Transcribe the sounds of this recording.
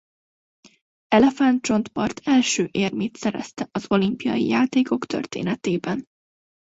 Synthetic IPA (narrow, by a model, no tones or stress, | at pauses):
ɛlɛfant̪̚t͡ʃo̞nt̪pɒrt̪ʰɛlʃøːʔeːrmeːt̪sɛɾɛ̰st̪ɛʔɒzo̞limpijɒ̰jḭjaːt̪eːko̞kt̪ø̰rt̪ḛːnɛt̪eːbɛn